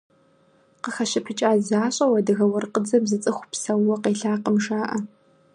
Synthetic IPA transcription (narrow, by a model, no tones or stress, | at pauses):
qəxɐɕɪpʰɨt͡ʃʼaːzaːɕʼɐwɐdɨɣɐwɐrqəd͡zɐmzɨt͡sʼɨxʷpsɐwːɔqeːɬaːqəmʃaːʔɐ